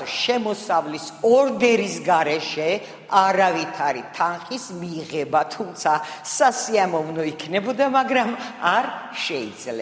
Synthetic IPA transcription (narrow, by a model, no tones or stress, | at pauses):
ʃɛmɔsavlisɔɾd̪ɛɾisɡaɾɛʃɛ | aɾavit̪ʰaɾit̪ʰanχismiʁɛbat̪ʰumt̪sʰasasiamɔvnɔikʰnɛbɔd̪amaɡɾamaɾʃɛid̪z̥lɛ